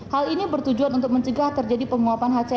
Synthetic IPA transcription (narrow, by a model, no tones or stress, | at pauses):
halinibərt̪ud͡ʒuanunt̪ʊk̚məɲt͡ʃəɡaht̪ərd͡ʒadipəŋuapanɦat͡ʃa